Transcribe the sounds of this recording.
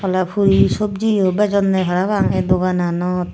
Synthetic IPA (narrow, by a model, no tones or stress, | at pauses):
ɔlapʰuɾisob̚d͡ʒijobɛd͡ʒɔnːɛɦaɾaβaŋɛd̪oɡananɔt̪